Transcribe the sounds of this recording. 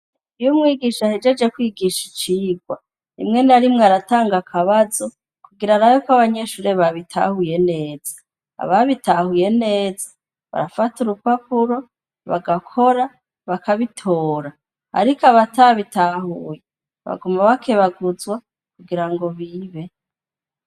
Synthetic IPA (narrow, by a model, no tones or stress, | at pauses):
ijumŋiːɡiʃahed͡ʒe̞d͡ʒe̞kwiːɡiʃit͡ʃiːɡwa | nḭmŋe̞naɾimŋeaɾataːŋɡakʰaβazo̞ | kuɡiɾanajokaβaɲe̞ʃuɾe̞βaβitʰa̰huje̞ne̞ːz̥a | a̰βaβitahuje̞ne̞ːzḁ | βa̰ɾafatuɾupapuɾo̞ | βaɡakʰo̞ɾa | βakʰaβitʰoːɾa | a̰ɾikoaβataβitahuːje | βa̰ɡumaβakʰeβaɡuzwa | kuɡiɾaŋɡo̞βiβe̞